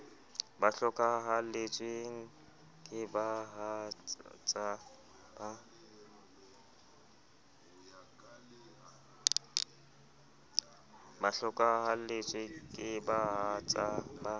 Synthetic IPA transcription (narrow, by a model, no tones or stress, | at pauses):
baɬɔkʼaɦalet͡ʃʼweŋ̩ | kʼɪbaɦa | t͡sʼa | ba | baɬɔkʼaɦalet͡ʃʼwɪkʼɪbaɦat͡sʼaba